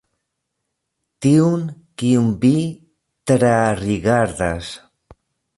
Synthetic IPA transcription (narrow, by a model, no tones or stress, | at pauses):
t̪iwŋkiumbi | t̪ɾariɣaɾðas